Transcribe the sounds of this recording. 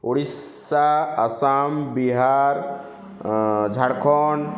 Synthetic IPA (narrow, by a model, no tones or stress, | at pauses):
oɽis | aːsambiɦaɾ | d͡ʒʱaɽkʰɔn